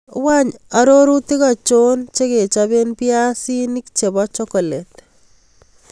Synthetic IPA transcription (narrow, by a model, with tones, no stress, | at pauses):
wa˦ɲa˦ɾo˦ɾu˦ti˦ka˨t͡ʃo˦nt͡ʃe˦ke˨t͡ʃabe˦npi˦a˦si˦ni˦kt͡ʃe˨bɔ˦t͡ʃɔ˦kɔ˨le˨t